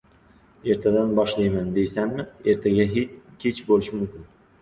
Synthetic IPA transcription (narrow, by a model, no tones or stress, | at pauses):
e̞ɾt̪ʰad̪anbɒʃlajmand̪e̞jsanmɪe̞ɾt̪ʰaɡʲaɦet͡ʃkʲʰet͡ʃbolɪʃɪmʊmkʲɪn